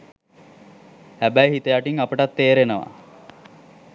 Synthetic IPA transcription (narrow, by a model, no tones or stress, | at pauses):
hæbæjɦit̪əjaʈiŋapəʈat̪ːeːɾenəʋa̰